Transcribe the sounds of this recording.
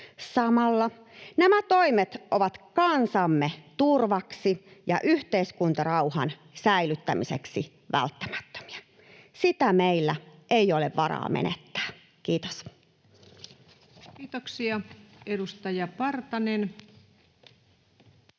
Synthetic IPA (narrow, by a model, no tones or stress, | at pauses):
sɑmɑlːɑ | næmæt̪oimet̪ʔoʋɑt̪kɑnsɑmːet̪urʋɑksijɑ̰ʔyht̪eiskunt̪ɑrɑuhɑ̰nsæilyt̪ːæmisḛksi | ʋæ̰lt̪ːæ̥mæ̥t̪ːø̥mi̥ɑ | sit̪æmeilːæʔejoleʋʋɑrɑ̰ːmḛnḛt̪ːæ̥ː | kiːt̪o̥s | kiːt̪oksiɑedust̪ɑjɑpɑrt̪ɑnen